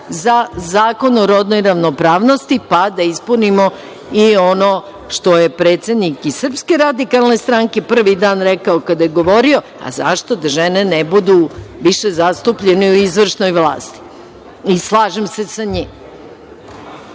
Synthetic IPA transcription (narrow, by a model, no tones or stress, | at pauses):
zazaːko̞noɾod̪nojɾaʋnopɾaːʋnost̪ipad̪aispunimo̞ | iono | ʃt̪o̞jepɾeːt̪se̞d̪nikisr̩pske̞ɾad̪ikalˠnest̪ɾaŋke̞pr̩ʋid̪aːnɾɛkaokad̪ajeɡo̞ʋo̞ɾio̞ | a̰za̰ʃt̪o̞d̪aʒenenebud̪uʋiʃezast̪upʎeneuizʋr̩ʂno̞jʋlˠa̰ːst̪i̥ | islˠaːʒemse̞saɲiːm